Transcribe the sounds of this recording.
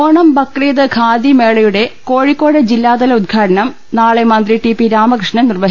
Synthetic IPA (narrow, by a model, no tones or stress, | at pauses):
oːɳɐmbɐkːreːðɐkʰaːd̪imeːɭɐjuɽe̞ko̞ːɻikːo̞ːɽɐd͡ʑilːaːd̪ɐlɐud̪̚ɡʰʱaːɽɐɳɐm | naːɭemɐnd̪riʈipiɾaːmɐkrɨʂɳɐnirʋɐɦi